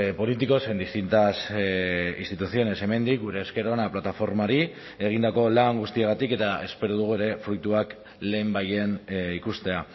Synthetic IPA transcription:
po̞lit̪iko̞se̞nd̪ist̪int̪as | ḭst̪it̪uθio̞ne̞se̞me̞nd̪ik̚ɡuɾe̞ːske̞ɾo̞naplat̪afo̞ɾmaɾi | e̞ɣ̞ind̪ako̞laŋɡust̪ieɣat̪ike̞t̪ae̞spe̞ɾuð̞uɣ̞ue̞ɾe̞fɾujt̪uak | le̞ːmbaje̞nikust̪e̞a

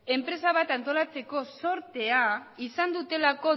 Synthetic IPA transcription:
e̞mpɾe̞saβ̞at̪ant̪o̞lat͡se̞ko̞so̞ɾt̪e̞aisand̪ut̪e̞lako̞

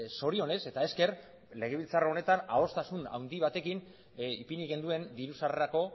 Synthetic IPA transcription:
so̞ɾio̞ne̞se̞t̪ae̞ske̞ɾ | le̞ɣ̞e̞βilt͡saraone̞t̪ana̰o̞st̪asuna̰wnd̪iβ̞at̪e̞kin | ipiniɣe̞nd̪ue̞nd̪iɾusareɾako̞

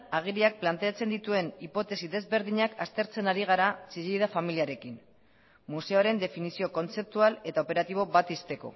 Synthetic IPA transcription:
aɣ̞iɾiak̚plant̪e̞at͡se̞nd̪it̪ue̞nipo̞t̪e̞siðe̞zβe̞ɾðiɲakast̪e̞ɾt͡se̞naɾiɣ̞aɾat͡siʎejðafamiliaɾe̞kin | muse̞oɾe̞nd̪e̞finisio̞ko̞nt͡se̞p̚t̪uale̞t̪ao̞pe̞ɾat̪iβ̞o̞βat̪ist̪e̞ko̞̰

